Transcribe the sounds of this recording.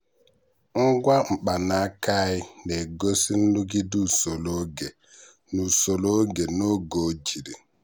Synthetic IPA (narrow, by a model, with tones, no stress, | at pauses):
ŋ̩˦ɡʷa˦ŋ͡m̩˨k͡pa˨na˦ka˦ɪ˦ne˨ɡo˦si˦n̩˦lu˦ɡi˦du˦˨so˨lo˦ɡe˨ | nu˨so˨lo˦ɡe˨no˦ɡo˨˦d͡ʒi˨ɾi˨